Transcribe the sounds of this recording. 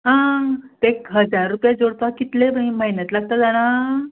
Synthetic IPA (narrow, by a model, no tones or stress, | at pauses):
ɦãt̪ekɦəd͡zaɾːupjad͡zoɽp̪akit̪lebə̃iməjnat̪laɡ̚t̪əd͡zaɽ̃a